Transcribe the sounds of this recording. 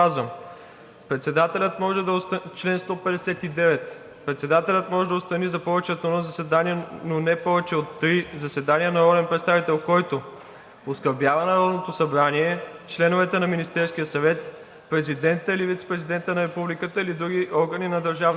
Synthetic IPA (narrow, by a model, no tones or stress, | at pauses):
azvəm | pɾɛt̪sɛd̪at̪ɛlʲət̪mɔʒɛd̪ɐost̪ət͡ʃlɛnst̪ɔpɛd̪ɛsɛt̪id̪ɛvɛt̪ | pɾɛt̪sɛd̪at̪ɛlʲət̪mɔʒɛd̪ɐost̪ɐnizɐpɔvɛt͡ʃɛot̪onozɐsɛd̪aniɛnonɛpɔvɛt͡ʃɛot̪ːɾizɐsɛd̪aniənɐɾɔlɛnpɾɛt̪st̪avit̪ɛlˠkɔjt̪o | oskɐɾbʲjavɐnɐɾɔd̪not̪osɐbɾaniɛt͡ʃlɛnovɛt̪ɛnɐminist̪ɛɾsk̟ijəsɐvɛt̪ | pɾɛzid̪ɛnt̪əilivit̪sɛ̥pɾɛzid̪ɛnt̪ənɐɾɛpublikət̪əilid̪ɾuɡ̟iʔɔɾɡəninɐd̪ɐɾʒavn